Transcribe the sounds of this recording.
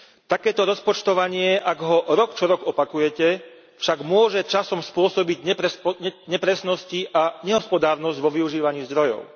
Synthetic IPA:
t̪akɛːt̪ɔɾɔspɔt͡ʃt̪ɔʋaɲɪɛʔaɡɦɔɾɔkt͡ʃɔɾɔɡɔpakujɛcɛ | fʃaɡmʊɔʒɛt͡ʃasɔmspʊɔsɔbiɟɲɛpɾɛsɲɛpɾɛsnɔsciʔaɲɛɦɔspɔd̪aːɾnɔzɟʋɔʋiuʒiːʋaɲiːzd̪ɾɔjɔ̰ʊ

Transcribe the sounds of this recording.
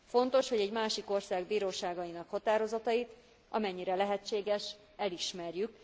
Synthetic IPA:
fo̞nt̪o̞ʃho̞ɟɛɟmaːʃiko̞rsaːɡbiːɾoːʃaːɡɒjinɒkhɒt̪aːɾo̞zɒt̪ɒjit̪ | ʔɒ̰mɛɲːiɾɛlɛɦɛt͡ʃːeːɡɛʃ | ɛliʃmɛrjyk

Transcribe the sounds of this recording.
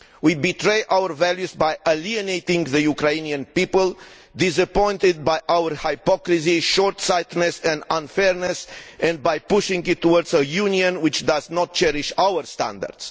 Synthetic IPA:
wibit̪ɾejʔawəɹvæljuzbajʔəliənejt̪ĩŋɡðəjukɾejniə̃npipəl | d̪ɪs̬əpɔ̃j̃nt̪ɪd̪̚bajʔawəɹhajpɔkɾis̬iʃɔɹt̪sajt̪nesɛ̃nd̪ãnfɛɹnɛsɛ̃nd̪̚bajpuʃĩŋɡit̪ʰːuwɔɾd̪zəjuniə̃nwɪt͡ʃd̪aznɔt̪̚t͡ʃɛɾiʃawəɹst̪ã̰nd̪ə̰ɹd̪s

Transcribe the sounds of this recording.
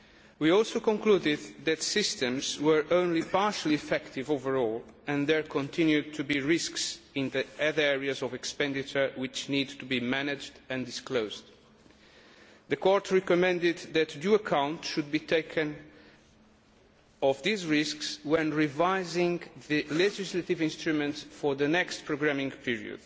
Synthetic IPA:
wiɔlˠsokɔ̃ŋkludɪd̪̚ðætsɪstɨ̃mzwə˞ʔõʊ̃nlipaɹʃəlˠiɛfɛkt̪ɪvovəɹɔlˠɛ̃nðɛɹkʰɔ̃nt̪ʰɪ̃njʉd̚tʰubiɹɪsksɪ̃nðiʌðə˞ɛɹiazɔvɛkspɛ̃ndɪt͡ʃə˞wɪt͡ʃnid̪t̪ubimænɪd͡ʒdɨ̃ndɪskloʊzd̪ | ðəkʰɔɹt̪ʰɹɛkɔmɛ̃nd̪ɪd̪ðɨt̪duəkʰãw̃ntʃud̪̚bit̪ʰeɪkʰɨ̃n | ɔvðizɹɪskswɛ̃nɹivaɪzɪ̃ŋðɨlɛd͡ʒɪslat̪ɪvɪ̃nst̪ɹumɛ̃ntsfɔɹðənɛkst̚pʰɹoɡɹæmɪ̃ŋpʰiɹḭɨ̰d̪̥

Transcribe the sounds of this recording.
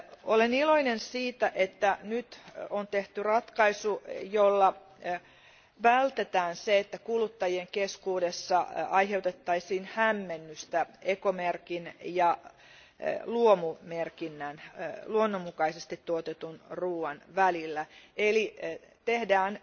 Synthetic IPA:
oleniloinensiːt̪æʔet̪ːænyt̪ont̪eht̪yrɑt̪kɑisujolːɑ | ʋælt̪et̪æːnseet̪ːækulut̪ːɑjieŋkeskuːdesːɑɑiɦeut̪et̪ːɑisiːnhæmːenːyst̪æekomerkinjɑ | luomumerkinːænluonːomːukɑisest̪it̪tuot̪et̪unruːɑnʋælilːæeli | t̪ehdæːn

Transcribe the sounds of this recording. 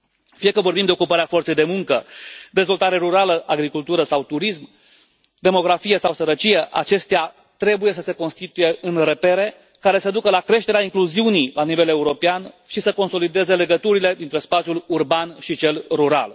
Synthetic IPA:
fije̞kəvo̞rbimd̪e̞o̞kupaɾeafo̞rt̪sejd̪e̞muŋkəd̪e̞zvo̞lt̪aɾe̞ɾuɾaləʔaɡɾikult̪uɾəsawt̪uɾism | d̪e̞mo̞ɡɾafije̞sawsəɾət͡ʃije̞ʔa̰t͡ʃe̞st̪ea | t̪ɾe̞buje̞səse̞ko̞nst̪it̪uje̞ɨnre̞pe̞ɾe̞ | kaɾe̞səd̪ukəlakɾe̞ʃt̪e̞ɾeaiŋkluziunijlanive̞le̞uɾo̞peanʃisəko̞nso̞lid̪e̞ze̞le̞ɡət̪uɾile̞d̪int̪ɾe̞spat̪sʲjulurbanʃit͡ʃe̞lruɾa̰l

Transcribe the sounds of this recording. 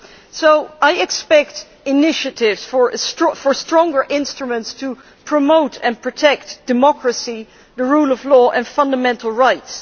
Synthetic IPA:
soʊʔaɪɨkspɛk̚t | ɪnɪʃɨtɪvz̥fə˞sfə˞stɹ̥ɔ̃ŋɡə˞ʔɪ̃nstɹ̥əmə̃ntstʰə | pʰɹ̥əmoʊtɨ̃npʰɹ̥ɨtʰɛk̚td̥ɨmɑkɹəsi | ðəɹulˠʌvlɔːʔə̃nfʌ̃ndəmɛ̃ntʰˡl̩ˠɹaɪts

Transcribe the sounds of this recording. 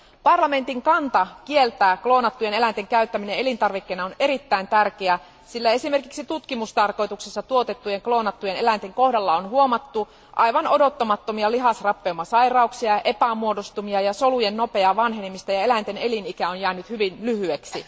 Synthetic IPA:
pɑrlɑme̞nt̪iŋkɑnt̪ɑkielt̪æːklo̞ːnɑt̪ːuje̞ne̞lænt̪eŋkæyt̪ːæminee̞lint̪ɑrʋikːenɑone̞ɾit̪ːæint̪ærkeæ | silːæe̞sime̞rkiksit̪ut̪kimust̪ɑrko̞jt̪uksesːɑt̪uot̪e̞t̪ːujeŋklo̞ːnɑt̪ːujene̞lænt̪eŋko̞hdɑlːɑonhuomɑt̪ːu | ʔɑjʋɑno̞do̞t̪ːomɑt̪ːomiɑliɦɑsrɑpːeumːɑsɑirɑuksiɑʔe̞pæmuo̞dost̪umiɑjɑsolujenːo̞pe̞ɑʋɑnɦenimːist̪æjɑe̞lænt̪ene̞linikæonjæːnyt̪hyʋinlyhyeksi

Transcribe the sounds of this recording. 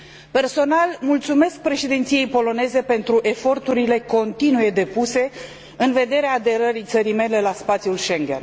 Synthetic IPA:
pe̞rso̞nalmult̪sume̞sk̚pɾe̞ʃid̪ent̪sije̞jpo̞lo̞ne̞ze̞pe̞nt̪ɾuʔe̞fo̞rt̪uɾile̞ko̞nt̪inuje̞d̪e̞puse̞ | ɨnve̞d̪e̞ɾeaːd̪e̞ɾəɾit̪səɾijme̞le̞laspat̪sʲjulʃe̞ŋɡʲḛn

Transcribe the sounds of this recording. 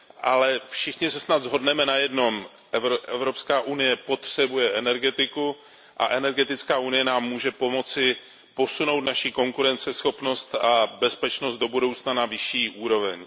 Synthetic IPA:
ʔalɛfʃɪxɲɪsɛsnad̪zɦo̞dnɛmɛnajɛdno̞m | ʔɛvɾoʔɛvɾo̞pskaːʔunɪjɛpo̞t̪r̝̥ɛbujɛʔɛnɛɾɡɛt̪ɪku | ʔa̰ʔɛnɛɾɡɛt̪ɪt͡skaːʔunɪjɛnaːmːuːʒɛpo̞mo̞t͡sɪ | po̞suno̞wt̪̚naʃiko̞ŋkuɾɛnt͡sɛsxo̞pno̞st̪abɛspɛt͡ʃnost̪̚do̞budowt͡snanavɪʃiːʔuːɾo̞vɛ̰ɲ

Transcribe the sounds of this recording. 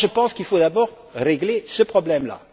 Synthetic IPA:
ʒəpɑ̃skilfod̪abɔːʁ | ʁeɡlesəpχɔblɛmla̰

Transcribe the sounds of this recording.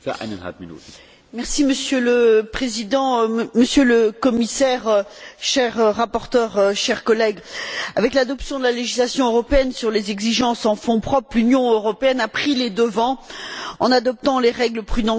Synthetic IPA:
sa̰ʔa̰na̰fminṵt̪ | mɛʁsiməsjøləpχezid̪ɑ̃məsjøləkɔmisɛʁʃɛʁːapɔʁt̪œʁʃɛʁkɔlɛɡavɛklad̪ɔpsjɔ̃d̪əlaleʒislasjɔ̃øʁɔpeɛnsyʁlezɛɡziʒɑ̃sɑ̃fɔ̃pχɔpχlynjɔ̃øʁɔpeɛnapχiled̪əvɑ̃ɑ̃nad̪ɔp̚t̪ɑ̃leʁɛɡləpχyd̪ɑ̃

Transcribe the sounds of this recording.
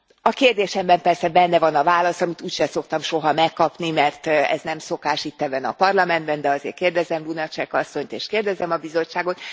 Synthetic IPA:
ɒkeːrd̪eːʃɛmbɛmpɛrsɛbɛnːɛvɒnɒvaːlɒsɒmit̪uːcʃɛsokt̪ɒmʃo̞ɦɒmɛkːɒpnimɛrt̪ɛ̰znɛmso̞kaːʃit̪ːɛbɛnɒ̰pɒrlɒmɛnd̪bɛnd̪ɛɒzḛːrkeːrd̪ɛzɛmlunɒt͡ʃɛkɒsːo̞ɲt̪eːʃkeːrd̪ɛzɛmɒbizo̞t͡ʃt͡ʃːaːɡo̞t̪

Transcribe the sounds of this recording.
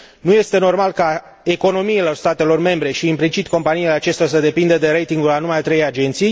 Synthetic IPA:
nuje̞st̪e̞no̞rmalka | e̞ko̞no̞miilo̞rst̪at̪e̞lo̞rme̞mbɾe̞ʃiːmplit͡ʃit̪ʲko̞mpaniile̞at͡ʃe̞st̪eas̬əd̪e̞pind̪əd̪e̞ɾe̞jt̪iŋɡulanumajat̪ɾe̞jad͡ʒe̞nt̪sij

